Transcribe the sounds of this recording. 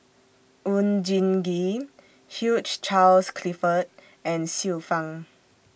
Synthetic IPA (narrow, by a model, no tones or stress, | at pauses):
ũnd͡ʒĩnɡi | hjut͡ʃt͡ʃalskʰlifət̚ | ɛ̃nsifãŋ